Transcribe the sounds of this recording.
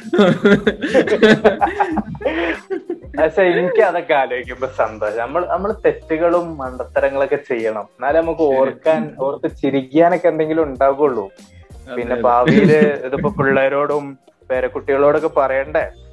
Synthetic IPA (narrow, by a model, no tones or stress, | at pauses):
ɐɕaːiŋikʲːɨɐðɐkːaːloːikʲːumboːsɐnd̪o̞ːɕɐnɐmːɐɭnɐmːɐɭt̪e̞tːuɣɐɭumːɐɳɖɐt̪ːɐɾɐŋːɐɭo̞kːe̞t͡ɕe̞jːɐɳɐmenːaːlnɐmukːɨoːrkːaːno̞ːrt̪ːɨt͡ɕiɾikʲːijaːno̞kːeend̪eŋɡilumuɳɖaːɣuɭːupinːe̞paːʋijilɨiðupːopuɭːɐɾo̞ːɽum | pe̞ːɾɐkːuʈːiɣɐɭo̞ːɽo̞kːe̞pɐrɐjaːɳɖe